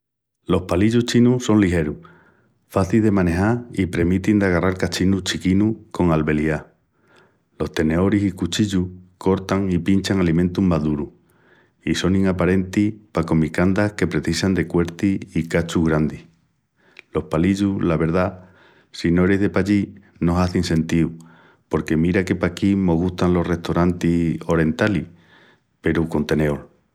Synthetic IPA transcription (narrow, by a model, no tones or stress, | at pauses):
lo̞hpaliʎuht͡ʃinuso̞nliɦe̞ɾu | faθilðe̞mane̞ɦaɾipɾe̞mit̪ind̪aɣ̞araɾkat͡ʃinut͡ʃikinuko̞ŋalβe̞lia | lo̞ht̪e̞ne̞o̞ɾisikut͡ʃiʎuko̞ɾt̪aŋipint͡ʃaŋalimẽnt̪umaðuɾu | iso̞ŋiŋapaɾe̞nt̪ipako̞mikand̪ahke̞pɾe̞θisand̪e̞kwe̞ɾt̪iːkat͡ʃuɣɾand̪ih | lo̞hpaliʎulaβe̞ɾða | sino̞eɾeɦðe̞paʎi | no̞saθiŋsẽ̞nt̪iu | po̞ɾke̞miɾake̞pakimo̞ɣ̞uht̪anlo̞hre̞ht̪oɾant̪io̞ɾẽ̞nt̪ali | pe̞ɾuko̞nt̪e̞ne̞o̞l